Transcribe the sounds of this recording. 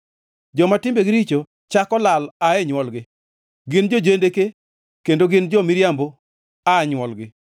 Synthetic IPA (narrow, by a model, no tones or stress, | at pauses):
d͡ʒɔmatɪmbeɡɪɾit͡ʃo | t͡ʃakɔlalaɛɲwɔlɡɪ | ɡɪnd͡ʒod͡ʒendeke | kendoɡɪnd͡ʒɔmiɾjambo | aɲwɔlɡɪ